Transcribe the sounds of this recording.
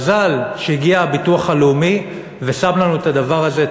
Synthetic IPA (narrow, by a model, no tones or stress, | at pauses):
zalʃeiɡiaːbituaχaleumi | ve̞samlanuet̪adavaʁaze̞